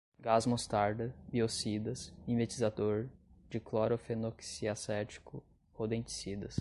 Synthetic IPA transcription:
ɡazmõst̪aɾd̪ɐbiosid̪ɐsĩvet͡ʃizad̪oɾd͡ʒɪklɔɾofenoksiasɛt͡ʃi̥kʰʊ | od̪ẽt͡ʃi̥sid̪ɐs

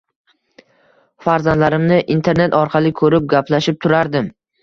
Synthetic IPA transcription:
faɾzand̪laɾɪmnɪʔint̪ʰe̞ɾne̞t̪ɒɾqʰɑlˠɪkʰɵɾɪp̚ɡʲapʰlaʃɪp̚t̪ʰʊɾaɾd̪ɪm

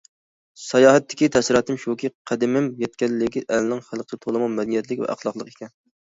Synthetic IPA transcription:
sɑjɑːɦɛt̪ːɪ̥kʲit̪ʰɛsɪɾɑːt̪ɨmʃukʲʰiqʰæd̪ɪmɪmjɛt̪̚kʲɛlːɪɡʲiʔɛlnɪŋχælˠqʰəd̪ɛt̪ʰolˠɨmɑmɛd̪ɪnjɛt̪lɪkʲvɛ̰ʔæ̰χlˠɑqlˠəqe̥kʲʰɛn

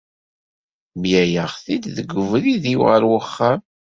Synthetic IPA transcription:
mjæjəʁθid̪ðəɡːʊvɾiðiwʁəɾwəχːam

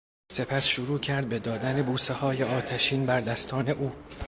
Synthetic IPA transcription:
se̞pʰæsʃoɾuːcʰæɾd̪̚be̞d̪ɒːd̪æne̞buːsehɒːjeɒːt̪ʰæʃiːnbæɾd̪æst̪ʰɒːne̞ʔuː

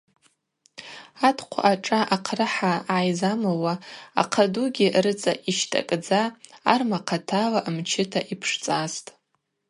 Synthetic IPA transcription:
atʰqʷʰa̰ʔaʈ͡ʂʼaʔaqʰrɨħaajzamawaa̰qʰaduɡʲirɨt͡sʼa̰ʔiʃtʰʼa̰kʼd͡zaːrmaqʰatʰalaʔmt͡ʃʰɪtʰaʔipʰʂt͡sʼastʼ

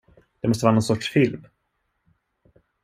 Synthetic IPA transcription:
d̪̥ɛmɔst̪əvɑːnɔnsɔʈʂfɪlm

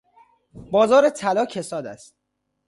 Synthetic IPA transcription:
bɒːzɒːɾet̪ʰælɒːcʰesɒːd̪æ̰st̪̚

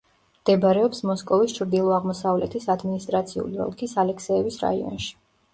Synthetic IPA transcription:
md̪̥ɛbɾɛɔpsmɔskʼɔvist͡ʃʰɾd̪ilˠɔaʁmɔsavlɛt̪ʰisad̪minist̪ʼɾat̪sʰiṵliɔ̰lˠkʰisalɛkʰsɛːbisɾa̰iɔ̰nʃi̥

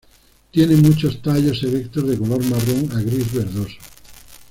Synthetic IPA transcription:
t̪jenemut͡ʃost̪aʎoselek̚t̪ozðekoloɾmaroŋaɣɾizβeɾðoso̥

